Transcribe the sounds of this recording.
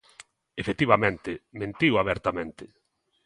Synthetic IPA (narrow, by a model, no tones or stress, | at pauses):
efet̪iβamẽnt̪ɪmẽnt̪iwaβɛɾt̪amẽnt̪ɪ